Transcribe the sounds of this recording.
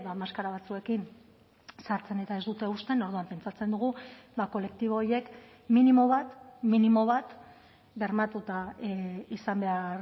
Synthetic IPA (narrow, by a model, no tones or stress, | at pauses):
βamaskaɾaβ̞at͡sue̞kin | saɾt͡se̞ne̞t̪ae̞zd̪ut̪e̞ust̪e̞no̞ɾð̞uampe̞nt͡sat͡se̞nd̪uɣ̞ubako̞le̞k̚t̪iβ̞o̞ːje̞k | minimo̞βat̪minimo̞β̞at̪ | ɡeɾmat̪ut̪a | isambe̞aɾ